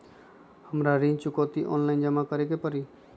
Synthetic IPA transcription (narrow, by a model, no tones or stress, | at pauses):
həmɾaɾĩːnt͡ʃʊkot̪iʔɔ̰ːnlaɪnd͡ʒəmakəɾekepəɾiː